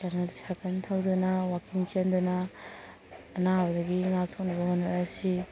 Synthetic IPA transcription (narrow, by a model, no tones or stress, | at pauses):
kaɾnatsakʰantʰawdunɐwakiŋt͡ʃendunɐ | naabɐdɐɡiŋak̚tʰok̚nɐbɐhonːaɾsi